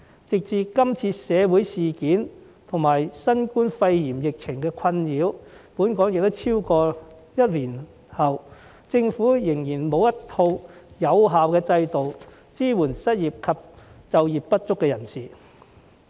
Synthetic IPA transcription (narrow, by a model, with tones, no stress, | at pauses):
t͡sɪ˨k̚t͡siː˨˧kɐ˥mt͡sʰiː˧sɛː˨˧wuː˨˥jsiː˨kiː˨˥n | t̪ʰʊ˨˩ŋmaː˨˩jsɐ˥nkuː˥nfɐ˧jjiː˨˩mjɪ˨k̚t͡sʰɪ˨˩ŋkɛː˧kʰɐ˧njiː˨˥wpuː˨˥nkɔː˨˥ŋjɪ˨k̚t̪o˥wt͡sʰiː˥wkɔː˧ | jɐ˥t̚liː˨˩n | hɐ˨w | t͡sɪ˧ŋfuː˨˥jɪ˨˩ŋjiː˨˩nmo˨˧wjɐ˥tt̪ʰo˧wjɐ˨˧wɦaː˨wkɛː˧t͡sɐ˧jt̪o˨w | t͡siː˥wuː˨˩nsɐ˥t̚jiː˨p̚kʰɐ˨p̚t͡sɐ˨wjiː˨pːɐ˥t̚t͡sʊ˥kːɛː˧jɐ˨˩nsiː˨